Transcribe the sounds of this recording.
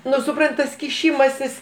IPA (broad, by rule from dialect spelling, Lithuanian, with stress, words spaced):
ˈnʊ sʊˈprɐnt tɐs kʲɪˈʃʲɪmɐsʲɪs